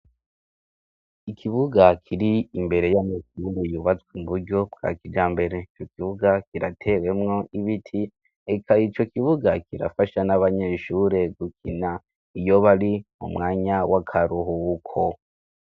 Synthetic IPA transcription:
ikʰiβuɡakʰiɾiimbe̞ɾe̞jamekindejuβat͡swimbuɾɟo̞bɡ̥a̰kid͡ʒaːmbe̞ɾe̞it͡ʃo̞kiβuɡakiɾatʰe̞we̞mŋo̞iβitʰi | e̞kʰait͡ʃo̞kiβuɡakʰiɾa̰faʃanaβaɲe̞ʃuːɾe̞ɡukʰina | ijo̞βaɾimṵmŋaːɲawakʰaɾuɦukʰo

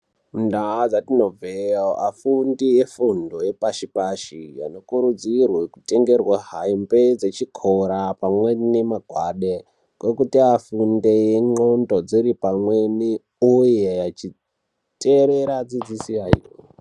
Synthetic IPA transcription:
ndaad͡zatino̞vejoʔafundiefundo̞je̞paʃipaʃija̰no̞kuɾud͡zirweku̥te̞ŋɡe̞rwaɦaimbed͡zet͡ʃikʰoɾapamwenemaɡʱwaɗe | kwekutiafunde̞jeŋ͡ǃondo̞d͡ziɾipamweni | uje̞jat͡ʃi | tʰʼeɾeɾad͡zid͡zisiaḭro̰

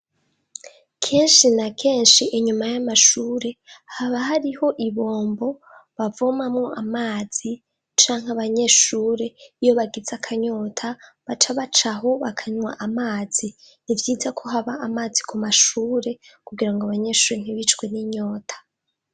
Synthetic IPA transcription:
kʰe̞ːnʃinakʰe̞ːnʃiʔeɲumajamaʃuːɾe̞haβaɦaɾiho̞ʔiβo̞ːmbo̞ | βavomamŋo̞ʔamaːz̥i | t͡ʃaːŋhaβaɲe̞ːʃuːɾe̞ijo̞βaɡizakʰaɲo̞ːtʰaβat͡ʃaβat͡ʃaɦo̞βakʰaɲwa̰ʔamaːz̥i | nivjiːzakʰo̞ɦaβaːmaːzikʰumaʃuːɾe̞kuɡiɾaŋɡoaβaɲe̞ːʃuːɾe̞ŋ̥iβit͡ʃkwe̞niɲo̞ːtʰḁ

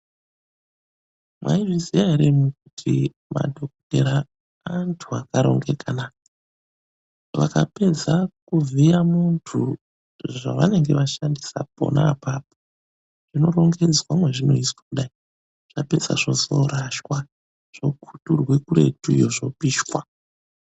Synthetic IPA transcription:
mwa̰iʐizijaɦeɾemuk̚utʰi | ma̰dʱo̞kte̞ɾa | antʰuakaɾo̞̰ŋɡe̞kana | ʋakape̞d͡zakuvijamuntʰu | ʐa̰ʋane̞ŋɡe̞ʋaʃandisapo̞̰naːpaːpo | ʐ̥ino̞ro̞ŋɡe̞d͡zwamweʐino̞iswakuɗai | ʐ̥ape̞d͡za̰ʐozo̞ɾaʃwa | ʐ̥o̞kʰuturwekure̞̰tujoʐo̞piːʃkwa

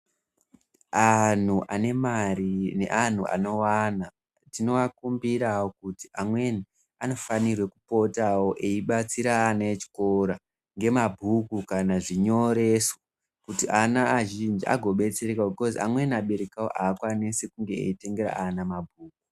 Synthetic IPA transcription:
an̤uʔane̞marine̞̰ʔan̤ua̰no̞wana | tino̞ʋakumbirawokutiʔamwe̞ni | ano̞fanirwe̞kupo̞tawo̞ʔeiɓat͡siɾaːnaet͡ʃi̥koɾa | ŋɡe̞mabʱukukanaʐiɲo̞ɾe̞so | kutiʔanaːʒind͡ʒiʔa̰ɡʱo̞ɓet͡serekaobʱiko̞zia̰mwe̞naɓe̞ɾekawo̰ʔaːkwanesekuŋɡeḛite̞ŋɡeɾa̰anamabʱuːku

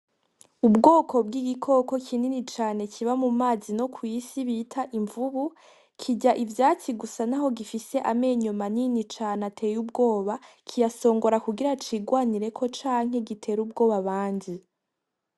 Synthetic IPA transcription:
ubɡo̞ːkʰo̞bɡiːɡikʰo̞ko̞kʰininit͡ʃaːne̞kʰiβamumaːzino̞kʰwisiβitʰaʔiɱvuβu | kʰiɟaʔivjaːt͡siɡusanaɦo̞ɡifise̞ʔame̞ːɲumaninit͡ʃaːnatʰe̞ːjub̚ɡo̞ːβa | kʰijaso̞ːŋɡo̞ɾakuɡiɾat͡ʃiɡwaːniɾe̞kʰo̞t͡ʃaːŋ̥he̞ɡitʰe̞ːɾuːb̚ɡo̞ːβaβaːɲdi

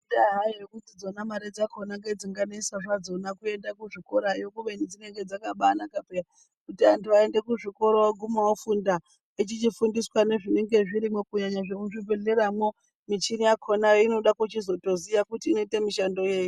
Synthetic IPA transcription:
daɦaiʐekutid͡zo̞namaɾed͡zakʰo̞naŋɡe̞d͡ziŋɡaneisaʐad͡zo̞nakue̞ndakuʐiko̞ɾajokuʋenid͡zine̞ŋɡe̞d͡zakaɓanakapera | kutiantuae̞nde̞kuʐiko̞ɾoaɡʱumawofunda | it͡ʃit͡ʃifundiswane̞ʐine̞ŋɡe̞ʐiɾimwo̞kuɲaɲaʐeuʐive̞ɮe̞ɾamwo̞ | mit͡ʃinijakʰonajoino̞ɗakut͡ʃizo̞to̞zijakutiːno̞ite̞miʃando̞je̞ːji

